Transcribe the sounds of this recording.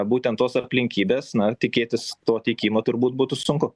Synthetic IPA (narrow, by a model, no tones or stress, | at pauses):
buːt̪ʲɛnt̪ːoːsɐpʲlʲɪŋʲkʲiːbʲeːsnɐt̪ʲɪkʲeːt̪ʲɪst̪oːt̪ʲɛɪkʲiːmoːt̪ʊɾbuːt̪̚buːt̪ʊsʊŋkʊ